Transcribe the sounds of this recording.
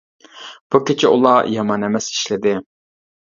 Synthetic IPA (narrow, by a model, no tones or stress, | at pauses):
b̥ukʲet͡ʃʰɛʔṵlˠɑjɑmɑnɛmɛsi̥ʃlɪd̪ɪ